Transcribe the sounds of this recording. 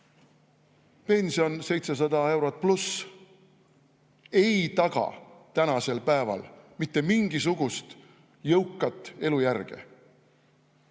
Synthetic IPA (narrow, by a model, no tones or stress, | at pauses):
pe̞nʲsio̞nse̞jt̪se̞s̬ɑd̪̥ɑe̞wɾot̪̚ˑplus | e̞jt̪ɑɡ̥ɑ̰t̪ænɑse̞lpæevɑ̰lmit̪ːe̞miŋɡ̥is̬uɡ̥ust̪ | jɤwkːˑɑt̪ːˑe̞lujærɡ̥ḛ